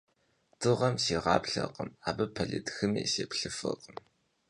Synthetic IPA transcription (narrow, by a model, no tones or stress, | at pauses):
d̥ɨʁɐmsiːʁɑːpɬɐ̰qəmaːbɨpʰɐɮɨtxɨmḭːseːpɬɨfɨqəm